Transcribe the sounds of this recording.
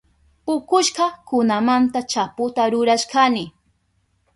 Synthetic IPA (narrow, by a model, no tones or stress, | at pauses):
ʊkʊʃɢɑkʊnamant̪at͡ʃapʊt̪aɾʊɾaʃkanɪ